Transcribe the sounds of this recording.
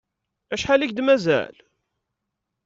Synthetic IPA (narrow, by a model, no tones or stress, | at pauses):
æʃħalikd̪mæzæ̰l